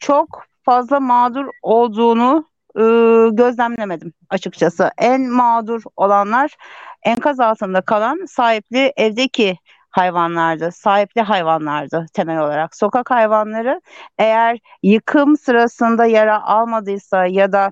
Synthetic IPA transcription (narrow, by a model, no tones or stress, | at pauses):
t͡ʃʰo̞k | fazlˠamaːd̪uɾo̞lˠd̪uːnuː | ɟø̞zlʲæmlʲeme̞d̪im | at͡ʃʰɯkt͡ʃʰasɯʔænmaːd̪uɾo̞lˠanlˠaɾ̥ænkʰazalˠt̪ʰɯnd̪akʰalˠansaːɦiplʲɪʔɛvd̪ecʰi | hajvanlˠaɾd̪ɯsaːɦiplʲiɦajvanlˠaɾd̪ɯt̪ʰe̞mɛlʲo̞lˠaɾakso̞kʰakhajvanlˠaɾɯe̞jæɾjɯkʰɯmsɯɾasɯnd̪ajaɾaʔalˠmad̪ɯjsajad̪a